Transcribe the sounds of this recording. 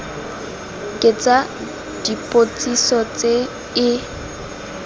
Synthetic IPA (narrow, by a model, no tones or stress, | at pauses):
kʼɪt͡sʼa | d̥ipʼot͡sʼisɔt͡sʼe | ɪ